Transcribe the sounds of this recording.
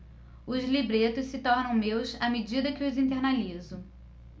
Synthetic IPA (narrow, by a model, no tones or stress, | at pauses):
ʊzlibɾet̪ʊssɪt̪ɔɾnɐ̃w̃mewsɐmed͡ʒid̪ɐkɪʊzĩnt̪eɾnalizʊ